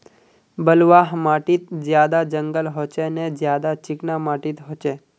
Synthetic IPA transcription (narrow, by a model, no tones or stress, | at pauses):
bəlʋaɦmaʈit̪̚d͡ʒjad̪ad͡ʒəŋɡəlɦot͡ʃened͡ʒjad̪at͡ʃɪknamaʈit̪ɦot͡ʃe